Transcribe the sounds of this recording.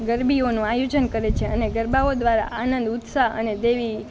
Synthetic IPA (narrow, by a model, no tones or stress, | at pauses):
ɡəɾbionũajod͡ʒənkəɾet͡ʃʰeəneɡəɾbaod̪ʋaɾa̰ʔanənd̪ʊt̪saə̰ned̪eʋi